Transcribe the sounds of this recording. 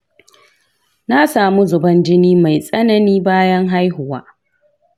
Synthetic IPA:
na˦saː˨mu˦zʊ˨bɐ˦nd͡ʒɪ˦niː˦ma˨jsʼɐ˦nɐ˨niː˦baː˦jɐ˦ŋɦa˦jhʊ˨waː˦

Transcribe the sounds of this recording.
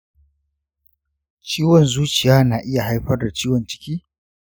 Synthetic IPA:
t͡ʃiː˦wɔ˨nzuː˦t͡ʃɪ˨jaː˦naː˨ʔɪ˦ja˨ha˦jɸɐ˦rda˨t͡ʃiː˦wɔ˨nt͡ʃɪ̥˦kʲiː˦

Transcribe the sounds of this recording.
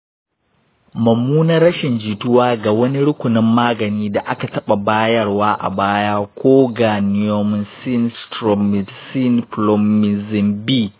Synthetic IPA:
mɐ˨mːuː˦nɐ˦ɾɐ˦ʃɪ˨nd͡ʒiː˨tʊ˦waː˦ɡa˨wɐ˦ni˦ɽʊ˦kʷʊ˨nɪ˦mːaː˦ɡɐ˨niː˦da˨ʔa˦ka˨tɐ˦ɓa˨baː˦jɐ˦rwaː˦ʔa̰˨baː˦jaː˦kʷoː˦ɡaː˨nɪ˦jo˦mɪ˦nsi˦nstɾɔ˨m˨si˦nplɔ˦mːɪ˨zɪ˨mbiː˦˨

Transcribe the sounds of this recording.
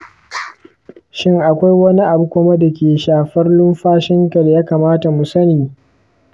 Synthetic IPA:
ʃɪ˦ŋʔa˨kʷa˦jwɐ˦ni˦ʔa˨bu˦kʷʊ˦ma˦da˨kʲeː˨ʃaː˨ɸɐ˦rlʊ˦mɸaː˦ʃɪ˦ŋka˨da˨jaː˦kaː˨maː˦ta˨mu˨sɐ˦niː˨

